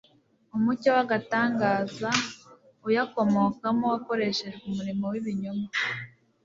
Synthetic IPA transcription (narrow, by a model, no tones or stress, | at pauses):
umucowaɡataːŋɡaːza | ujako̞mo̞kamowako̞ɾe̞ʃe̞ʒɡumuɾimowiβiɲoma